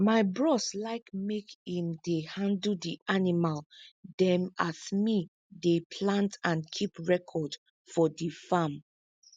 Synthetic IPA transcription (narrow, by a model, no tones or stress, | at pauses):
maɪbɹɔslaɪkmekhĩmdehãndl̩diʔanimaldɛ̃matmi | depʰlãntãnkʰipɹɛkʰɔd | fɔdifam